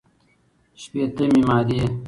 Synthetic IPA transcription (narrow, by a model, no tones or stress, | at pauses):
ɕpeːt̪emimaːd̪i